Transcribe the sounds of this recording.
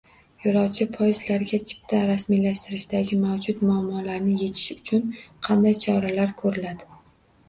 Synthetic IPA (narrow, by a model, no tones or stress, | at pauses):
jɒɾɒwt͡ʃʰɪpʰɒjzlaɾɡʲat͡ʃʰɪ̥p̚t̪ʰaɾasmijlaʃt̪ɪɾɪʃd̪aɡʲɪmawd͡ʒʊt̪mʊamːɒlaɾnɪje̞t̪ʰɪ̥ʃʊ̥t͡ʃʰʊnqʰɑnd̪ajt͡ʃʰɒɾalaɾkʰɵɾɪlad̪ɪ